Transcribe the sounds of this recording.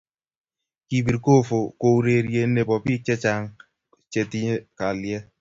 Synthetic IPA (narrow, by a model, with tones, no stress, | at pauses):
ki˨bi˨ɾko˦˨fo˨ko˨u˦ɾe˨ɾje˨˦n˦nːe˨bɔ˨pi˦t͡ʃɛ˦t͡ʃa˦˨ŋ˦ | t͡ʃe˨ti˦ɲe˦ka˨ljɛ˦